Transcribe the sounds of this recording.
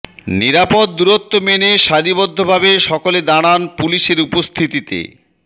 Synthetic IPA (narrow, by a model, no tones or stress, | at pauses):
niɾapod̪̚d̪uɾot̪ːomeneʃaɾibod̪ʱːobʱabeʃɔkoled̪aɽ̃anpuliʃeɾupost̪ʰit̪it̪ḛ